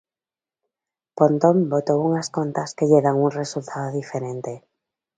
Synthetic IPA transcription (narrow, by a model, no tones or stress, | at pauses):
pont̪ombot̪ouŋaskont̪askeʎeɣaŋuŋresult̪ʰaðoðifeɾẽnt̪e